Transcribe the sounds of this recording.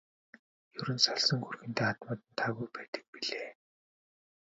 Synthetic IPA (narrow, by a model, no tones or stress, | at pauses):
jɵɾɘ̆nsɔɮsɞ̆ŋxurxɘ̆nt̪eːat̪mʊːt̪ə̆nt̪ʰaːɣujpæːt̪ə̥̆k̚piɮeː